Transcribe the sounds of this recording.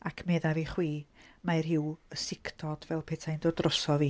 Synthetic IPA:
akʰmeːðaviːχwiːmajrɦɪwəsɪkʰd̥ʰɔd̥vɛlˠpʰeːtʰajndoːdrɔsɔviː

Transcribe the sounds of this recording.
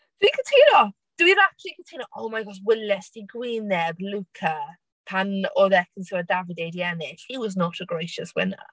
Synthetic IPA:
ðikətʰiːnɔ | d̥wiɾatʰikətʰiːnɔʔowmajɡɔswɪlɛstiɡwinɛblukʰə | pʰanɔðɛkʰənsɪwədavɪdejdjɛnɪɬhiwɔznɔtʰəɡɹejʃəswɪ̰nə̰

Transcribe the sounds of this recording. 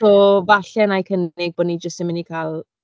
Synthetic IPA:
ɔvaɬɛnajkʰənɪɡ̚boːdnid͡ʒəstɛmɪnikʰaːlˠ

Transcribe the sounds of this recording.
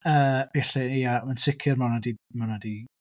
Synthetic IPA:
əːvɛɬɛjamansɪkʰɪrmanadimanadi

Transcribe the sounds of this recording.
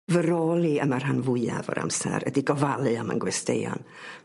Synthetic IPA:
vəɾoːlˠiəmar̥ɦanvʊɨavɔ̰ɾʔa̰msɛ̰ɾə̰diɡɔvalˠɨɔma̰nɡwɛstḛjɔ̰n

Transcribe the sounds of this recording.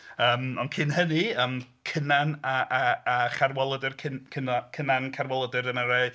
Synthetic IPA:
əːmɔnkʰɪnhəniəːmkʰənanaʔaːχarwɛlˠədɨrkʰɪnkʰənɔkʰənankʰarwɔlˠədɨɾəmaɾeɨ

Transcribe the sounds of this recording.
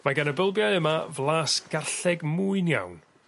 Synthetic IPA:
maɡanəbəlˠbjaɨəmavlˠaːsɡ̥arɬɛɡmuːɨnja̰wn

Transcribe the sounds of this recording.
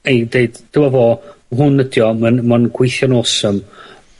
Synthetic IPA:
ejdeɨd̥d̥ɪwɔvoːɦʊnːədjɔmənmanɡ̥wejθjɔnosəm

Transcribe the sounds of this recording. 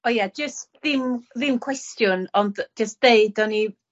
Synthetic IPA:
ojad͡ʒəstðɪmðɪmkʰw̥ɛstjʊnɔndd͡ʒəsd̥eɨdɔni

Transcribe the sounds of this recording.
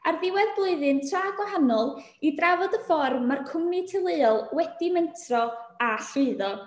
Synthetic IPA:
arðɪwɛðblˠʊɨðɨntʰraɡwaɦanɔlˠ | idravɔdəfɔrmarkʰʊmnitʰɪlˠɨɔlˠwɛdiməntʰrɔaɬʊɨðɔ

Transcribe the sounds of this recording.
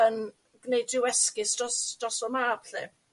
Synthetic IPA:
ən | ɡ̥nejdɪwɛskɪsdɔsdrɔsɔmaːbɬɛ̰

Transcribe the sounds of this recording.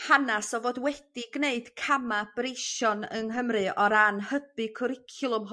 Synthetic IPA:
hanasɔvoːdwɛd̥iɡneɨd̥kʰamab̥reʃɔnəŋɦəmrɨʔɔɾanhəbɨkʰʊɾɪkʰjʊlˠʊmɦ

